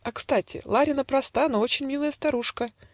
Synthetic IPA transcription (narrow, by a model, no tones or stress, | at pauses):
ɐkst̪atʲʰɪ̰lˠaɾʲɪnəpɾɐst̪anoo̞t͡ɕɪnʲmʲilˠəjəst̪ɐɾuʂkə